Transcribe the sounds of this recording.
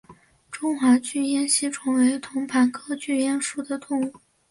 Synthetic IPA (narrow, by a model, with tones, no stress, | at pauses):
ʈ͡ʂʊ˥ŋxwa˧˥t͡ɕy˥˧jɛ˥˧nɕi˥ʈ͡ʂʰwɤ˧˥ŋwe˧˥ɪt̪ʰʊ˧˥ŋpʰa˧˥nkʰɤ˥t͡ɕy˥˧jɛ˥nʂu˥˩d̪ə˩t̪ʊ˥˧ŋu˥˩